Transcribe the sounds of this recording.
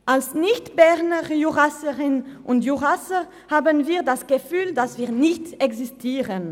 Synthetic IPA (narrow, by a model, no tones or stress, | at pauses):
ʔalsnɪçtb̥ɛʁnəʁjuʁasəʁɪnʔʊntjuʁasəʁ | haːbənviːɐdasɡ̥əfyːldasv̥iːɐʁnɪçtɛkzistʰiːʁən